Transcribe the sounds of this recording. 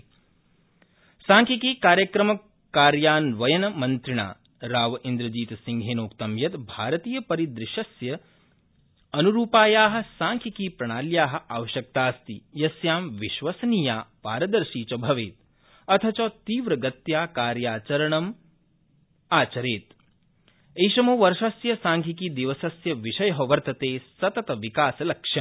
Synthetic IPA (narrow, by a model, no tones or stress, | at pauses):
saːŋkʰikiːkaːɾjɐkɾɐmɐ | kaːɾjaːnʋɐjɐnɐmɐnt̪ɾiɳa̰ː | ɾaːʋɐʔind̪ɾɐd͡ʒiːt̪siŋɡʱeːnoːkt̪ɐmjɐt̪bʱaːɾɐt̪iːjɐpɐɾid̪ɾɪʃɐsjɐ | ɐnuɾuːpaːjaːɦɐ̆sãːŋkʰikiːpɾɐɳ̃aːljaːɦɐ̆ʔaːʋɐʃjɐk̚t̪aːst̪ijɐsjaːmʋiʃʋɐsɐniːjaːpaːɾɐd̪ɐɾʃiːt͡ʃɐbʱɐʋeːt̪̚ | ɐt̪ʰɐt͡ʃɐːt̪iːʋɾɐɡɐt̪jaːkaːɾjaːt͡ʃɐɾɐɳɐm | aːt͡ʃɐɾeːt̪̚ | ejʃɐmoːʋɐɾʃɐsjɐsaːŋkʰikid̪iʋɐsɐsjɐʋiʃɐjɐɦɐʋɐɾt̪ɐt̪eːsɐt̪ɐt̪ɐʋikaːsɐlɐkʃjɐ